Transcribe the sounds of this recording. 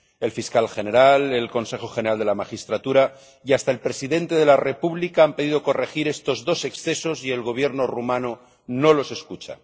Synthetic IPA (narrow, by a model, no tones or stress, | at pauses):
e̞lfiskalxe̞ne̞ɾale̞lko̞nse̞xoxeneɾald̪e̞lamaxist̪ɾat̪uɾa | iast̪ae̞lpɾe̞siðe̞nt̪e̞ð̞e̞lare̞puβlikaampe̞ðiðo̞ko̞re̞xiɾe̞st̪o̞zðo̞se̞ksθe̞so̞sie̞lɣo̞β̞je̞ɾno̞rumãno | no̞lo̞se̞skut͡ʃa̰